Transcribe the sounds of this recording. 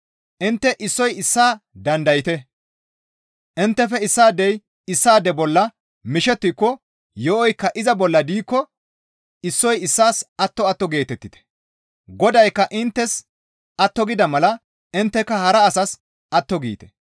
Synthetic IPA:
ʔɪnt̪ːɛʔɪsːɔjɪsːaːd̪ɐnd̪ɐjɪt̪ɛ | ʔɪnt̪ːɛfɛɪsːaːd̪ɛj | ɪsːaːd̪ɛbɔlːɐ | mɪʃɛt̪ːɪkːɔ | jɔʔɔjkːɐʔɪzɐbɔlːɐd̪iːkːɔ | ɪsːɔjɪsːaːsɐt̪ːɔɐt̪ːɔɡe̞ːt̪ɛt̪ːɪt̪ɛ̥ | ɡɔd̪ɐjkːɐʔɪnt̪ːɛs | ʔɐt̪ːɔɡɪd̪ɐmɐlɐ | ɪnt̪ːɛkːɐhɐɾɐːsɐs | ʔɐt̪ːɔɡḭːt̪ɛ̥

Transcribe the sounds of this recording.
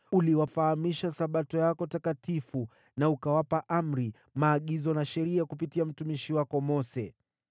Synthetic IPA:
uliwafahamiʃasaɓatɔjakɔtakatifu | naukawapaʔam̩ɾi | maːɠizɔnaʃɛɾiakupitiam̩tumiʃiwakɔmɔsɛ

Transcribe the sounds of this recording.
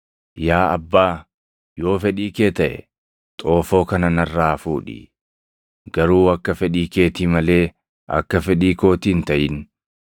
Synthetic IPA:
jaːɐ̰bːaː | jo̞ːfɛᶑiːkeːt̪ɐʔɛ̰ | t̪ʼo̞ːfo̞ːkɐnɐnɐrːaːfuːᶑḭ | ɡɐɾuːɐkːɐfɛᶑiːke̞ːt̪iːmɐle̞ː | ʔɐ̰kːɐfɛᶑiːko̞ːt̪iːnt̪ɐʔɪn

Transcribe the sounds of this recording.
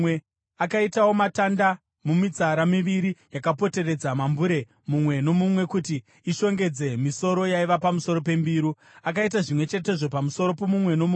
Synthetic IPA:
e | akaitawo̞matanda | mumit͡saɾamiʋiɾijakapote̞ɾe̞d͡zamambuɾe̞ | mumwe̞no̞mumwe̞kutiː | ʃo̞ŋɡe̞d͡ze̞miso̞ɾo̞jaiʋapamuso̞ɾo̞pe̞mbiːɾu | akaitaʐimwe̞t͡ʃe̞t̬e̞ʐo̞pamuso̞ɾo̞pomumwe̞no̞mu

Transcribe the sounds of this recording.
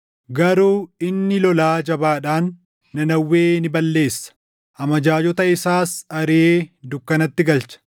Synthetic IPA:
ɡɐɾuːɪnːɪlɔlaːd͡ʒɐbaːᶑaːnː | ɐnɐwːeːnɪbɐlːe̞ːsːɐ̥ | ɐmɐd͡ʒaːd͡ʒɔt̪ɐɪsaːsɐɾeːd̪ʊkːɐnɐt̪ːɪɡɐlt͡ʃɐ̥

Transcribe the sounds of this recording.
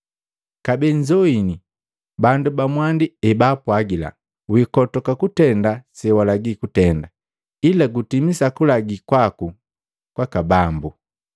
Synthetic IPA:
kabɛɲd͡ʒɔini | bandubamwandiɛbaːpwaɡila̰ | wikɔtɔkakutɛndasɛwalaɡikutɛnda | ilaɡutimisakulaɡikwaku | kwakabambu

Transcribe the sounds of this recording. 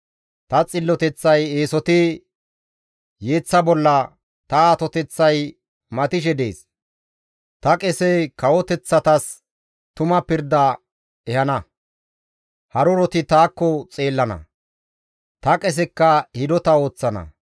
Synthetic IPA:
t̪ɐt͡sʼɪlːɔt̪ɛt͡sːɐjeːsɔt̪ɪ | je̞ːt͡sːɐbɔlːɐ | t̪ɐaːt̪ɔt̪ɛt͡sːɐj | mɐt̪ɪʃ̬ɛd̪ḛːs | t̪ɐkʼɛsɛjkɐwɔt̪ɛt͡sːɐt̪ɐs | t̪ʊmɐpɪɾd̪ɐ | ɛhɐnɐ | hɐɾʊɾɔt̪ɪt̪aːkːɔt͡sʼe̞ːlːɐnɐ̰ | t̪ɐkʼɛs̬ɛkːɐhɪd̪ɔt̪ɐo̞ːt͡sːɐnɐ̰

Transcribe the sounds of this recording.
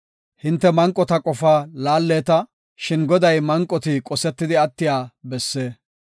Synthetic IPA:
hɪnt̪ːɛmɐŋkʼːɔt̪ɐkʼɔfaːlaːlːeːt̪ɐ | ʃɪnɡɔd̪ɐjmɐŋkʼːɔt̪ɪkʼɔsɛt̪ːɪd̪ɪɐt̪ːɪjaːbɛsːeː

